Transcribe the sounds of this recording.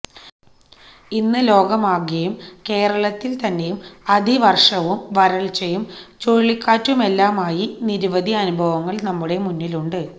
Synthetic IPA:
inːɨlo̞ːɡɐmaːɡɐjumke̞ːɾɐɭɐt̪ːilt̪ɐnːe̞jumɐd̪ʱiʋɐrʂɐʋumʋɐɾɐɭt͡ɕːɐjumt͡ɕoɻɭːikːaːtːume̞lːaːmaːjiniɾuʋɐd̪ʱiɐnubʱɐʋɐŋːɐɭnɐmːuɽe̞munːiluɳɖɨ

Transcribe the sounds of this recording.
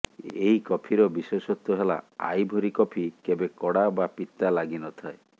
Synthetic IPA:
eɦikɔpʰiɾɔbiswesɔt̪ːɔɦela̰a̰jbʱɔɾikɔpʰikebekɔɽabapit̪alaɡinɔt̪ʰae

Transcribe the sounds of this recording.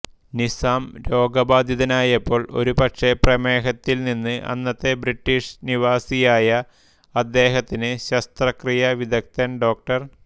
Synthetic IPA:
nisaːmɾo̞ːɡɐbaːd̪ʱiðɐnaːjɐpːo̞ːɭo̞̰ɾupɐkʂe̞prɐmeːɦɐt̪ːilninːɨʔɐ̰nːɐt̪ːe̞briʈːiːʂniʋaːsijaːjɐ | ɐd̪ːe̞ːɦɐt̪ːinɨɕɐst̪rɐkrijɐʋid̪ɐk̚t̪ɐnɖo̞ːk̚ʈɐr

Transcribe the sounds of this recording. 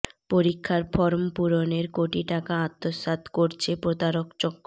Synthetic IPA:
poɾikʰːaɾfɔɾompuɾoneɾkoʈiʈakaat̪ːosat̪koɾt͡ɕʰepɾod̪aɾokt͡ɕɔkːo

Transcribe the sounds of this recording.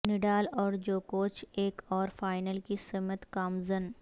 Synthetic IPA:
nɪɖaːlɔːɾd͡ʒoːkoːt͡ʃʰeːkɔːɾfaːɪnəlkisɪmət̪kaːmzən

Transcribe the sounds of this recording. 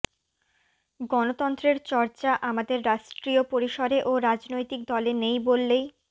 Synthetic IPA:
ɡɔnot̪ɔnt̪ɾeɾt͡ɕɔɾt͡ɕaʔamad̪eɾːaʃʈɾiopoɾiʃoɾeʔoɾad͡ʑnojt̪ik̚d̪ɔlenejbolːej

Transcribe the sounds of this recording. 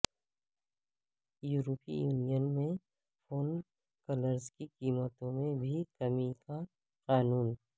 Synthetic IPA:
juːɾoːpḭjuːnijənmẽ | foːn | kɐləɾzkiqiːmət̪õmẽbʱikɐmika | qaːnuːn

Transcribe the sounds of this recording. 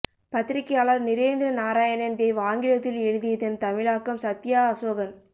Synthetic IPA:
pɐt̪ːɪɾɪkːɐjaːɭɐɾnɪɾeːnd̪ɪɾɐnaːɾaːjɐnɐnd̪eɪʋaːŋɡɪɻɐt̪ːɪlɛɻɯðɪjɐt̪ːɪnt̪ɐmɪɻaːkːɐmsɐt̪ːɪjaːɐsoːɣɐn

